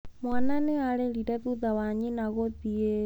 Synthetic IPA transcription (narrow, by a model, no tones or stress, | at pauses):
mwananealɛɺiɾaðuðawaɲinaɣɔðie